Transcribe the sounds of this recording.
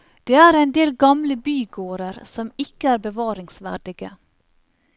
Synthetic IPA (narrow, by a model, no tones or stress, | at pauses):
d̪̥eːæːɾæɪnd̪eːlɡɑmləbyːɡoːɾəɾsɔmɪkəæːɾbəʋɑːɾɪŋsʋæ̰ɖɪɡə